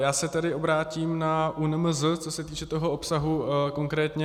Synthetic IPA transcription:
jaːsɛt̪ɛdɪʔo̞bɾaːciːmnaʔunmzət͡so̞sɛt̪iːt͡ʃɛt̪o̞ɦo̞opsaɦuko̞ŋkɾɛːt̪ɲɛ

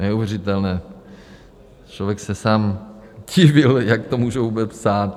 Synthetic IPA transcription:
nɛuvjɛrɪt̪ɛlnɛː | t͡ʃlovjɛksɛsaːmɟɪvɪljak̚t̪omuːʒɛvuːbɛt͡spsaːt̪

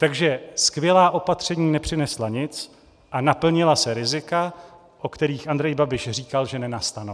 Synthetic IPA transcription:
t̪aɡʒɛskvjɛlaːʔo̞pat̪r̝̥ɛɲiːnɛpr̥ɪnɛslaɲɪt͡s | ʔanapl̩ɲɪlasɛɾɪzɪka | ʔokt̪ɛɾiːxʔand̪ɾɛjbabɪʃriːkalʒɛnɛnast̪ano

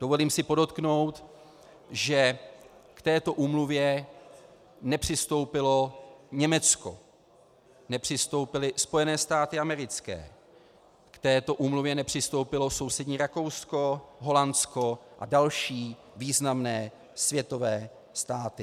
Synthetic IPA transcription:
d̥ovoliːmsɪpodo̞t̪kno̞wt̪ | ʒɛ | kt̪ɛːt̪o̞ʔuːmluvjɛ | nɛpr̝̥ɪst̪o̞wpɪlo̞ɲɛmɛt͡sko̰ | nɛpr̝̥ɪst̪o̞wpɪlɪspo̞jɛnɛːst̪aːt̪ɪamɛɾɪt͡skɛ̰ː | kt̪ɛːt̪o̞ʔuːmluvjɛnɛpr̝̥ɪst̪o̞wpɪlo̞so̞wsɛdɲiːɾako̞wsko̞ɦo̞lanskoʔadalʃiː | viːznamnɛː | svjɛt̪o̞vɛː | st̪aːt̪ɪ

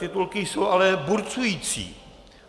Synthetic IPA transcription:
ɪt̪ulkɪjsowʔalɛbuɾt͡sujiːt͡sḭː

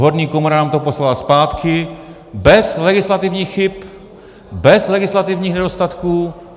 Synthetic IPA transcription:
ɦodɲiːkomoɾanaːmt̪oposlalaspaːt̪kʰɪ | bɛslɛɡɪslat̪ɪvɲiːxxɪp | bɛzlɛɡɪslat̪ɪvɲiːxnɛdo̞st̪at̪kuː

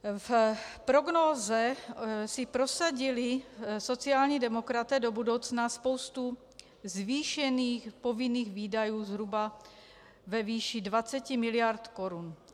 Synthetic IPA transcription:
fpɾo̞ɡnoːzɛsɪpɾosaɟɪlɪso̞t͡siaːlɲiːdɛmo̞kɾat̪ɛːdo̞budo̞wt͡snaspo̞wst̪u | zviːʃɛniːxpo̞vɪniːɣviːdajuːzɦɾuba | vɛviːʃidvat͡sɛcɪmɪlɪjaɾt̪ko̞ɾun

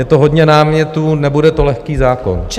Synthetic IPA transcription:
jɛt̪oɦod̪ɲɛnaːmɲɛt̪uːnɛbudɛt̪olɛxkiːzaːko̰nt͡ʃ

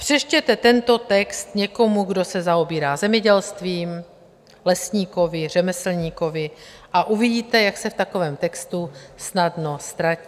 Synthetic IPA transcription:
pr̝̥ɛʃcɛt̪ɛt̪ɛnt̪o̞t̪ɛkst̪ɲɛko̞muɡdo̞sɛzaobiːɾaːzɛmɲɛɟɛlst̪viːm | lɛsɲiːko̞vɪr̝ɛmɛsl̩ɲiːko̞vɪʔaʔuviɟiːt̪ɛjaksɛft̪ako̞vɛːmt̪ɛkst̪usnadno̞st̪ɾaciː

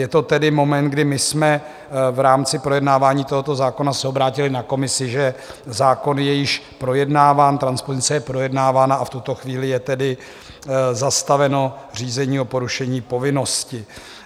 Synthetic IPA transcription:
jɛt̪o̞t̪ɛdɪmo̞mɛnt̪̚ɡdɪmɪsmɛ | vɾaːmt͡sɪpɾo̞jɛdnaːvaːɲiːt̪o̞ɦo̞t̪o̞zaːko̞nasɛobɾaːcɪlɪnako̞mɪsɪʒɛzaːko̞njɛjɪʃpɾo̞jɛdnaːvaːnt̪ɾanspozɪnt͡sɛjɛpɾo̞jɛdnaːvaːnaːft̪ut̪o̞xviːlɪjɛt̪ɛdɪ | zast̪avɛno̞r̝iːzɛɲiːo̞po̞ɾuʃɛɲiːpo̞vɪno̞scɪ

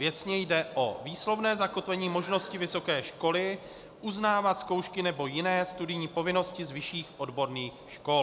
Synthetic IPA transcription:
vjɛt͡sɲɛjdɛʔo̞viːslo̞vnɛːzako̞t̪vɛɲiːmo̞ʒno̞scɪvɪso̞kɛːʃko̞lɪ | ʔuznaːvat̪sko̞wʃkɪnɛbo̞jɪnɛːst̪udɪɲiːpo̞vɪno̞scɪzvɪʃiːxʔo̞dbo̞ɾniːxʃko̞l

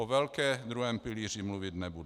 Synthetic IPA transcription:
ɔʋɛlkɛːd̪ɾuɦɛːmpiliːʒimluʋiɟnɛbud̪

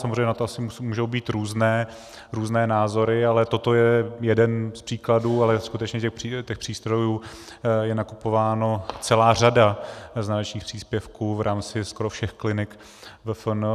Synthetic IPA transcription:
samozreɛjɲɛnat̪oasɪmumuːʒo̞wbiːt̪ɾuːznɛː | ɾuːznɛːnaːzo̞ɾɪalɛt̪o̞t̪o̞jɛjɛdɛnspr̝̥iːkladuːalɛskut̪ɛt͡ʃɲɛcɛxit̪ɛxpr̝̥iːst̪ɾo̞juː | jɛnakupovaːno̞t͡sɛlaːr̝adaznalɛt͡ʃɲiːxpr̥iːspjɛfkuːvɾʔaːmt͡sɪskoɾofʃɛxklɪnɪk | vɛfn

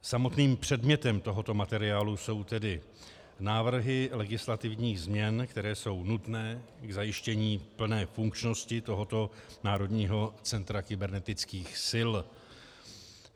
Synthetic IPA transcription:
samo̞t̪niːmpr̝̥ɛdmɲɛt̪ɛmt̪o̞ɦo̞t̪o̞mat̪ɛɾɪaːluso̞wt̪ɛdɪ | naːvr̩ɦɪlɛɡɪslat̪ɪvɲiːɣzmɲɛnkt̪ɛɾɛːso̞wnut̪nɛːɡzajɪʃcɛɲiːpl̩nɛːfuŋkt͡ʃno̞scɪt̪o̞ɦo̞t̪o̞naːɾo̞d̪ɲiːɦo̞t͡sɛnt̪ɾakɪbɛɾnɛt̪ɪt͡skiːxsɪl

